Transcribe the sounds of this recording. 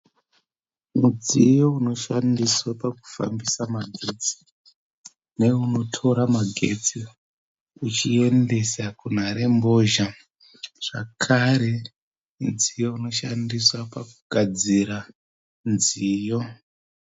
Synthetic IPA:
mud͡zijo̞uno̞ʃandiswapaku̥fa̰mbisamaɡʱe̞t͡si̥ | ne̞uno̞tʰo̞ɾamaɡʱe̞t͡si | ut͡ʃie̞nde̞sakun̤aɾe̞mbo̞ʒa | ʐ̥a̰kʰaɾe̞ | d͡zijo̞uno̞ʃandiswapakuɡ̥ʱad͡ziɾa | nziːjo

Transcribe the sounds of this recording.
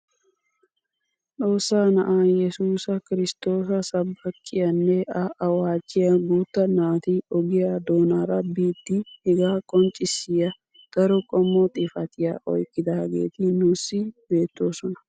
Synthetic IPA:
ᶑo̞ːsːaːnɐʔaːjɛsuːsɐkɪɾɪst̪o̞ːsɐsɐbːɐkʼːɪjɐnːɛʔɐʔɐwaːt͡ʃːɪjɐɡuːt̪ːɐnaːt̪iɔɡɪjad̪oːnaːɾɐbiːt̪ːɪhɛɡaːkʼɔnt͡ʃʼɪsːɪjɐ | d̪̥ɐɾɔkʼɔmːɔt̪ʼɪfɐt̪ɪjaːʔɔ̰jkʼːɪd̪ɐɐɡḛːt̪ɪnʊsːɪbe̞ːt̪ːo̞ːsɔnɐ̥

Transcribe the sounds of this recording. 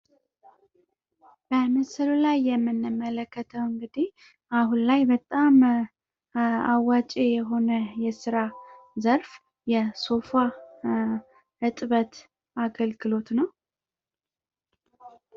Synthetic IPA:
b̥əmɨsɨlulajːɛmːɨnːɨmːələkːət̪ʰəwɨŋɡɨd̪i | ahunlajbət̪ʼam | awːat͡ʃʼejɛɦo̞nəjɛsɨɾazəɾf | jɛso̞fa | ɨt̪ʼβət̪ | aɡəlɡɨlo̞t̪nəw

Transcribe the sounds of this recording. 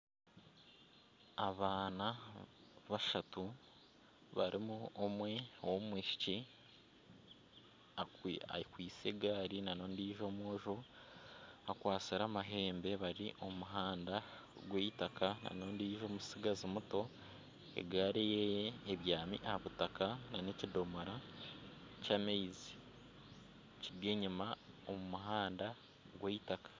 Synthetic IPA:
aβaːna | βaʃatu | βaɾʔimuomwe̞womwiːʃi̥ci | aa̰kwiːt͡se̞ɡaːɾinano̞ːndiʒo̞mwoːʒo | akwaːt͡siɾamaɦe̞ːmbe̞βaɾiʔo̞muɦaːnda | ɡweitakana̰no̞ːndiːʒo̞ːmusiɡazimuto̞ | e̞̰ɡaːɾejejeːβjaːmḭʔahaβutakanane̞cido̞moɾa | cameizi̥ | ciɡeɲima | omumuɦaːnda | ɡweitakḁ

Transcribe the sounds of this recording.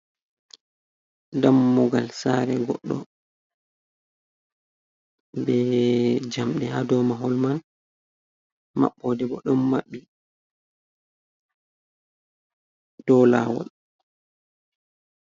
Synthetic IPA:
damːuɡalsaːɾɛɡɔ̰ɗːɔ̰ | bɛd͡ʒamɗɛhadɔmaɦɔlman | ma̰ɓːɔdɛbɔɗɔmːaɓːi | d̥ɔla̰wɔ̰l

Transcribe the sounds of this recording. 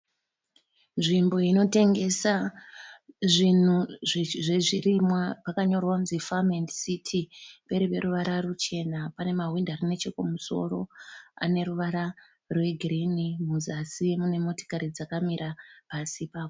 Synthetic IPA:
nʐimbo̞ino̞te̞ŋɡe̞sa | ʐin̤uʐʐeʐirimwapakaɲo̞rwamzifamendsitʰipe̞ɾipe̞ɾuʋaɾarut͡ʃe̞napane̞maɦwindarine̞t͡ʃekumuso̞̰ro̞a̰ne̞ɾuʋaɾa | rwe̞ɡʱrinimuzasimune̞mo̞to̥kaɾid͡zakamiɾʔapasipaːko

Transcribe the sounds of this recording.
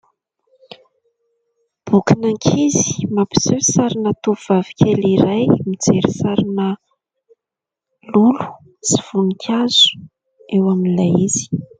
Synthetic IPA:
b̥ukinaŋkʰizi̥mapi̥sesaɾinət̪uv̥avi̥kʰʲeliɾajmid͡zeɾisaɾinə | lulu̥ | t͡siv̥unikʲʰazu̥ | ewaminilajiz̥i̥

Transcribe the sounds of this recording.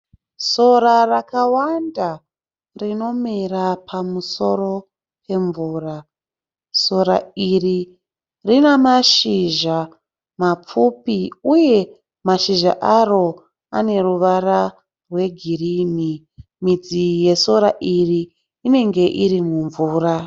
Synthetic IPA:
so̞ɾarakawanda | rino̞mirapʰamuso̞ɾo̞ | pe̞ɱvuːra | so̞ɾa̰iri | rinamaʃiʒa | map͡fupiuje̞ | maʃiʒa̰ʔaro̞ | ane̞ruʋaɾa | rwe̞ɡʱiriːni | mid͡zije̞so̞ɾaʔiriː | ne̞ŋɡe̞ʔiɾimuɱvuːra

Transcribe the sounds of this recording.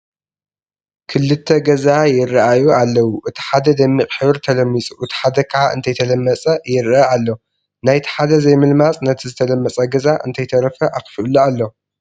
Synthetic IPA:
kʰɨlːɨt̪ʰːɐɡɐzajɪrːɐʔajualːɐwuʔɨt̪ʰi̥ħad̪ɐd̪ɐmːikʼħɨβɾt̪ʰɐlɐmːit͡sʼuʔɨt̪ʰi̥ħad̪ɐkʰaʕaɨ̰nt̪ʰɐjt̪ʰɐlɐmːɐt͡sʼɐjɪɾɐalːo̞ | najt̪ʰi̥ħad̪ɐzɐjmɨlmat͡sʼnɐt̪ʰizɨt̪ʰɐlɐmːɐt͡sʼɐɡɐzaʔɨ̰nt̪ʰɐjt̪ʰɐɾɐfɐʔakfʔulualːo̞

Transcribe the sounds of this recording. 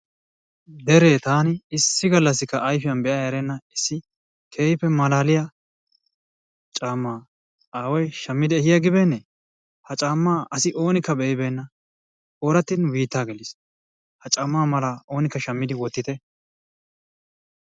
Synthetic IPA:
d̪ɛɾeːt̪aːnɪɪsːɪɡɐlːɐsːɪkːɐʔɐjfɪjɐnbɛʔaːjɐɾɛnːɐɪsːɪ | kʰeːjɪpːɛmɐlaːlɪja | t͡ʃʼaːmːaː | aːwɔjʃɐmːɪd̪ɪɛhɪjɐɡɪbeːnːɛ | hɐt͡ʃʼaːmːaːʔɐsɪʔo̞ːnɪkːɐbɛɪbeːnːɐ | oːɾɐt̪ːɪnwiːt̪ːaːɡɛlɪs | hɐt͡ʃʼɐmːaːmɐlɐʔo̞ːnɪkːɐʃɐmːɪd̪ɪwɔt̪ːɪt̪ɛ

